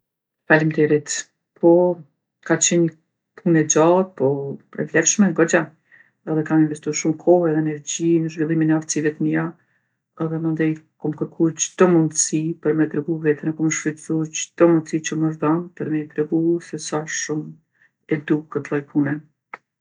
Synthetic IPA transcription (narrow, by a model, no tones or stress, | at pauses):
falimt̪ɛɾit̪ | pʰɔ | kat͡ɕɛn | pʰunɛd͡ʑat̪̚pɔpɾɛ̰flɛɾʃmɛŋɡɔd͡ʑa | ɛðɛkaminvɛst̪uaɾʃumkʰɔhɛðɛnɛɾd͡ʑinəʒvilˠiminɛaft̪sivɛt̪miɾa | ɛðɛmənd̪ɛjkɔmkəɾkʰud͡ʑd̪̥ɔmund̪sipəɾmɛt̪ɾɛɡuvɛt̪ɛnɛkɔməʃfitt͡sud͡ʑəd̪̥ɔmund̪sit͡ɕəməʒd̪ɔnpəɾmɛjt̪ɾɛɡusɛsaʃum | ɛd̪ukət̪lˠɔjpʰunɛ